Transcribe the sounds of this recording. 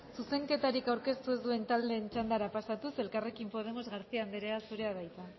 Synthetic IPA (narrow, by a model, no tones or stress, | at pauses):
suse̞ŋke̞t̪aɾikawɾke̞st̪ue̞zd̪ue̞nt̪ald̪e̞ːnt͡ʃand̪aɾapasat̪use̞lkare̞kimpo̞ð̞e̞mo̞zɣaɾt͡siand̪eɾeasuɾe̞aβajt̪a